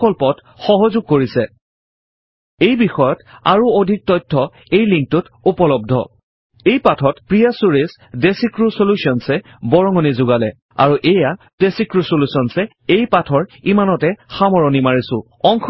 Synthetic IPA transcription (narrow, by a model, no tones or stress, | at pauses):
ɔlpɔt | xɔɦɔzʊɡ̚koɹisɛ | ejbixɔjɔta̰ɹuodʱik̚tɔjtʰːɔ | ejliŋk̚tʊt | upɔlɔb̚dʱɔ̰ | ejpatʰɔtpɹijasuɹes | desikɹusolusiɔnsɛ | bɔɹɔŋɔnizʊɡalɛ | a̰ɹuʔeja | d̥esikɹusolusɔnsɛ | ejpatʰɔɹimanɔtɛxamɔɹɔnimaɹisʊ̃ | ɔŋkʰ